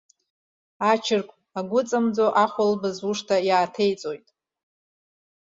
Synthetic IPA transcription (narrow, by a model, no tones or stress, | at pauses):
at͡ʃʰɪrkʷʼ | aɡʷʊt͡sʼamd͡zoʔaχʷalbɨzuʂtʰajaːtʰe̞jt͡sʼo̞jtʼ